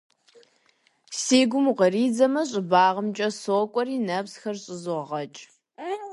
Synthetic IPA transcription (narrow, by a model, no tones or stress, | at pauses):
seːɡʷʊmʁɐriːd͡zɐmɐɕʼɪbaːʁəmt͡ʃʼɐsoːkʷʼɔriːnɐpsxɐrɕʼɪzʊʁʁɐt͡ʃʼ